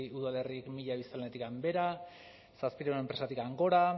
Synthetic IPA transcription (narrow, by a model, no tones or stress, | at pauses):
uðale̞riekmiʎaβist̪alnet̪ikambe̞ɾa | saspiɾeɾoe̞mpɾe̞sat̪ikaŋɡo̞ɾa